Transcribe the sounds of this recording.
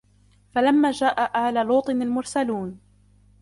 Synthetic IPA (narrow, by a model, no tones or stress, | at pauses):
falamːaːd͡ʒaːʔaʔaʕlaːluːt̪ˤɨnalmʊɾsaluːn